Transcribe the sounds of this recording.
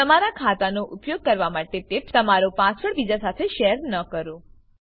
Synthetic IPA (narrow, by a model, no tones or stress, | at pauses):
t̪əmaɾakʰat̪anoʔupjoɡ̚kəɾʋamaʈet̪ept̪əmaɾopãsəɭbid͡ʒasat̪ʰeʃɛɾnəkəɾo